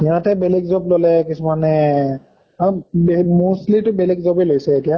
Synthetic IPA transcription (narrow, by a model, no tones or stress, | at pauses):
ijãtɛbelɛɡzɔblolɛkisumanɛ | abemostlitʊbelɛɡzobelojsɛetija